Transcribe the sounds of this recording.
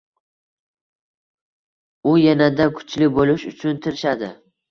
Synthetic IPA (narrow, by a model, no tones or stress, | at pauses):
ʊjanad̪akʰʊ̥t͡ʃʰlɪbolɪʃʊt͡ʃʰʊnt̪ʰɪɾɪʃad̪ɪ